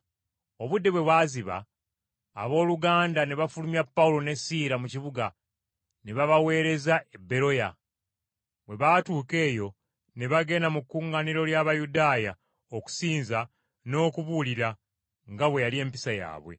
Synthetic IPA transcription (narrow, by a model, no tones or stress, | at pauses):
o̞βudːe̞βwe̞βwaːziβa̰ː | βo̞ːluɡaːndane̞βafulumiapːaulo̞ne̞siːɾamuciβuɡa | ne̞βaβawe̞ːɾe̞zaʔebːe̞ɾo̞ja | βwe̞βatuːke̞ːjo̞ | ne̞βaɡe̞ːnamukːuŋɡaniɾo̞ljaβajudaːja | oku̥siːnza | no̞ːkuβuliɾa | ŋɡaβwe̞jalie̞ːmpi̥saja̰ːβwḛ